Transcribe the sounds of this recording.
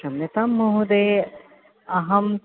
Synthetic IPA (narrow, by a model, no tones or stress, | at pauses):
ɐmnet̪ɐmːoɦud̪e | ɐɦɐm